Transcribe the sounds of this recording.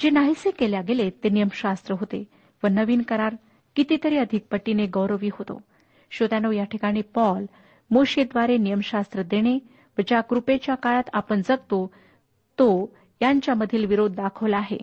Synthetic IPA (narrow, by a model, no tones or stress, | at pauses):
d͡ʑenaɦisekeljaɡelet̪enijəmɕast̪ɾəɦot̪e | ʋənəʋiːnkəɾaɾ | kit̪it̪əɾiːəd̪ʱik̚pəʈːineɡəʋɾəʋiːɦot̪o̰ | ɕod̪anojaʈʰikaɽ̃ipɔl | moɕid̪ʋaɾenijəmɕast̪ɾəd̪eɽ̃e | ʋət͡ɕakɾupet͡ɕjakaɭat̪apəɳd͡zəɡ̚t̪o | t̪o | jaɲt͡ɕjaməd̪ʱiːlʋiɾod̪ʱːakʰəʋlaɦḛ